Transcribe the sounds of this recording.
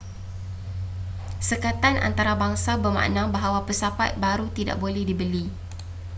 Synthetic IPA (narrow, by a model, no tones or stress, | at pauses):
səkat̪anʔa̰nt̪aɾabaŋsabərma̰ʔnãŋbaɦawapəsapa̰t̪̚baɾut̪ida̰ʔbolɛhdibəli